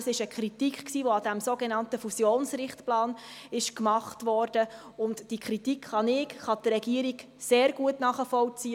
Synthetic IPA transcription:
sɪʃəkχɾitikχksiːʋoɑd̥æmsoɡenɑntəfusjoːnsɾɪχtplɑːnɪʃkmɑχtʋɔrd̥ə | ʊntd̥ikχɾitikχɑnɪkχɑdɾɛɡiəɾiɡ | seːɾɡuətnɑːχəfɔwt͡siː

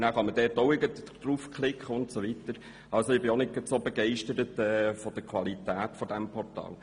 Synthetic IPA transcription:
næːχɑməd̥ɛːɾtoʊɪɡətd̥ɾuːfkχlɪkχəʊntsoʋitəɾ | ɑlsoɪb̥ɪonɪɡ̥ɑtsobɛɡɛɪʃtəɾətɛːfod̥əkʰʋɑlitæːtfod̥ɛmpʰɔrtɑ̰ːl

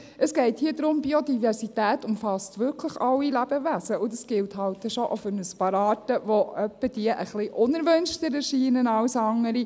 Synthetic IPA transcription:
əsɡ̥ɛɪthiədɾʊmbiod̪ivɛɾsitæːtʊmfɑstʋʏɾkʰləχɑwilæb̥əʋæsəʔʊd̪ɑsɡ̥ɪlthɑwtːɛʃɔʔofynəspɑɾɑːtəʋoœpːəd̥iəʔəχlɪʔʊnəɾʋɵnʃtəɾɛɾʃiːnənɑʊsɑŋːəɾi

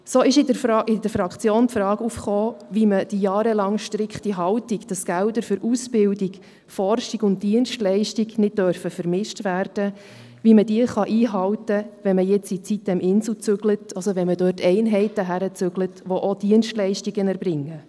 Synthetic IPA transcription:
soːɪʃɪdəɾfʔɪdəɾfɾɑkt͡sjoːntfɾɑːɡufχoːʋiməd̥ijɑːɾəlɑŋʃtɾɪkχtiɦɑltiɡd̥ɑsɡ̥ældəɾfʏɾʔusb̥ɪldiɡ | fɔrʃiɡʊnt̚d̥iənʃtlɛɪʃtiɡnɪt̚d̥œɾfəfəɾmɪʃtʋæːɾd̥ə | ʋimədiəχɑʔiːɦɑltəʋɛnməjɛt͡sit͡sit̚dɛmʔɪnsl̩t͡sʏɡlətɑsoʋɛnmədøːtʰːɛɪnɦɛɪtəɦæɾət͡sʏɡlətʋoʔod̥iənʃtlɛɪʃtiɡənɛɾbɾɪŋːə

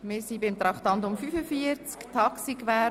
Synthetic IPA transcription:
mɪɾsibɪmt̪ɾɑχt̪ɑnt̪ʊmfyfəfiəɾt͡skt̪ʰɑksikʋɛː

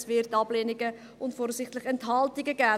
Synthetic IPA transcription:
svɪrtɑbleːnɪɡə | ʊntfɔːɾsɪχtlɪχɛnthɑltɪɡəɡæː

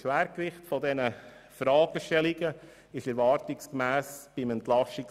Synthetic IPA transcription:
ʃʋæːɾkɾɪχtfɔdɛnə | fɾɑːɡ̥əʃtɛlɪɡə | ɪʃɛɾvɑːɾtɪkskmæːsb̥ɪmɛntlɑʃɪk

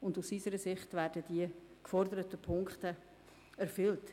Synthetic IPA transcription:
ʊndusisəɾəsɪχtʋæːɾdəd̥iəkfɔrdəɾətəpʰʊŋkχtə | æɾfʏlt

